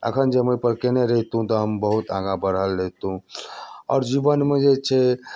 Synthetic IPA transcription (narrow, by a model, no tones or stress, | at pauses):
ə̰kʰənd͡ʒeməjpəɾkeneɾəɦt̪ɦũt̪ɔɦəmbəɦut̪ã̰ɡabəɾɦəlɾeɦt̪ɦũɔ̰ːɾd͡ʒibənmed͡ʒet͡ʃʰɛ